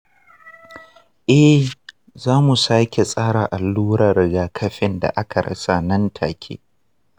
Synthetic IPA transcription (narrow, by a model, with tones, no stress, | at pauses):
ʔɛ˦ | zaː˦mu˨saː˦kʲe˨sʼaː˦ɽaː˨ʔa˨lːuː˦ɾɐ˨rɡaː˨kʰɐ˦ɸɪ˦˨nda̰˨ʔa˦kʰa˨ɽɐ̰˦sa˨nɐ˦ntʰa̰ː˨kʲʰḛː˦